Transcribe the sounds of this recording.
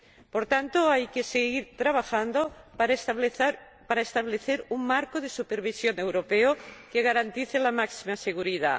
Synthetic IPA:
poɾt̪ant̪oajkeseɣiɾt̪ɾaβ̞axand̪o | paɾaest̪aβleθeɾuŋmaɾkoðesupeɾβ̞isjone̞wɾopeokeɣaɾant̪iθelamaksimaseɣ̞uɾiða̰

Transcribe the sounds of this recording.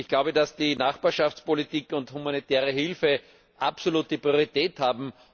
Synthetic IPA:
ɪçɡ̥laʊbədasd̥inaχb̥aːɐʃaft͡spolitiːkʊnthumanitɛːɐʁəɦɪlfə | ʔapsoluːtəpʁioʁitɛːthaːbm̩

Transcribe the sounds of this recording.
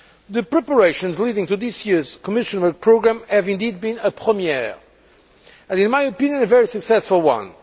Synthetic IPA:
ðɨpɹɛpə˞eɪʃə̃nzlidɪ̃ŋt̪uðɪsjiɹz̥kɔmɪʃə̃nwə˞k̚pʰɹoɡɹæ̃mhɨvɪ̃nd̪id̪̚bĩnəpʰɹəmiɛ | ɨ̃nɪ̃nmajɨpĩnjɨ̃nɨvɛɹisɨksɛsfəlˠwʌ̰̃n

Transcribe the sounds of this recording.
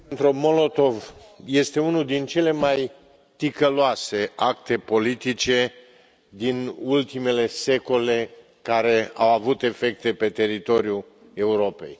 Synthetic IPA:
nt̪ɾumo̞lo̞t̪o̞vje̞st̪e̞unuld̪int͡ʃe̞le̞maj | t̪ikəloase̞ak̚t̪e̞po̞lit̪it͡ʃe̞ | d̪inult̪ime̞le̞se̞ko̞le̞ | kaɾe̞awavut̪e̞fe̞k̚t̪e̞pe̞t̪e̞ɾit̪o̞ɾju | e̞uɾo̞pe̞̰j

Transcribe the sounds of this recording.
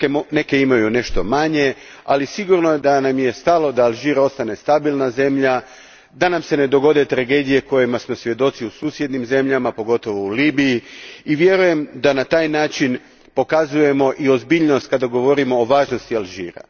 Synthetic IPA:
ene̞ke̞imajune̞ʃt̪o̞maɲe̞ | a̰lisiɡuɾnoed̪anamje̞st̪alo̞d̪aːlˠʒiːɾao̞st̪ane̞st̪abilˠnaze̞mʎa | d̪anamse̞ne̞d̪o̞ɡo̞d̪e̞t̪ɾaɡe̞ːd̪ije̞ko̞jimasmo̞sʋje̞d̪o̞t̪siusuːsje̞d̪nimze̞mʎamapo̞ɡo̞t̪o̞ʋo̞uliːbijiiʋje̞ɾuje̞md̪anat̪aːjnaːt͡ʃin | po̞kazuje̞mo̞ʔio̞zbiʎnost̪kad̪aɡo̞ʋo̞ɾimo̞ːʋaːʒno̞st̪ialˠʒḭːɾa̰

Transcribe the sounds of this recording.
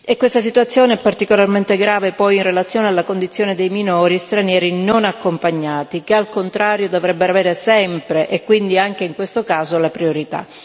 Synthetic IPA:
ekːwest̪as̬it̪uat̪sːjoːneɛpːart̪ikolarment̪eɡɾaːvepɔjinrelat̪sjoːnealːakond̪it̪sːjoːned̪ejminoːɾist̪ɾanjɛːɾinonakːompaɲːaːt̪ikealkont̪ɾaːɾjod̪ovɾɛbːeɾoavɛːɾesɛmpɾeʔekːwind̪iaŋkeiŋkwest̪okaːzolapɾioɾit̪a̰

